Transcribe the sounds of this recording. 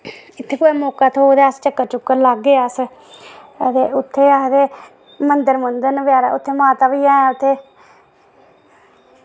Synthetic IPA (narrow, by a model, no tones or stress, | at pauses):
ɪt̪ʰːeːkoemoːkaːt̪ʰoːd̪eːast͡ʃəkːət͡ʃʊkːəɾlaɡːeːəs | t̪eːʊt̪ʰːeːəd̪eː | mənd̪əɾmənd̪ənʋjaːɾa̰ʊt̪ʰːeːmãːt̪aːʋiːãːʊt̪ʰːeː